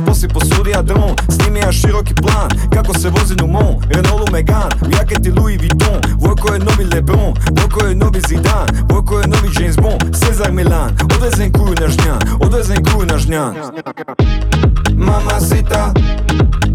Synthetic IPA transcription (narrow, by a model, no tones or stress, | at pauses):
posiposud̪iad̪ɾõn | snimiaʃiɾoki̥plˠaːn | kakosɛʋozinumõ | ɾenolˠumeɡan | jaket̪iluiʋit̪õ | volkojenoʋilebɾõ | vokojenoʋizid̪an | volkojenoʋid͡ʒenzbõsezaɾmilanod̪vezɛnkujunaʒɲanod̪vɛzeŋkujunaʒɲan | mamasit̪a